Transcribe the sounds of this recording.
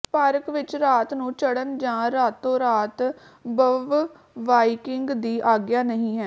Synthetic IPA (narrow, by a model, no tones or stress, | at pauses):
paːɾəkʋɪt͡ʃɾaːt̪nũːt͡ʃəɽənd͡ʒãːɾaːt̪ːõːɾaːt̪ | bəʋ | ʋaːikɪŋɡd̪iːʔaːɡjaːnəɦĩːɦɛː